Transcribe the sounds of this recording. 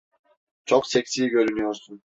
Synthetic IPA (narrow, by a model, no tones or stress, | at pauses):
t͡ʃʰoqseksiːɡʲøɾynyoɾsun